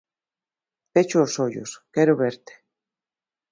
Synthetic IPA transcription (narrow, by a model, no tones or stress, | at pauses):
t̪et͡ʃoːsoʎo̰skɛɾoβeɾt̪e̥